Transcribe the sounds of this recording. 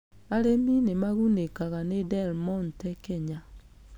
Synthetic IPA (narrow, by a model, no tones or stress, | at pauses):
aɾeminemaɣunekaɣanedɛlmɔntɛkɛɲa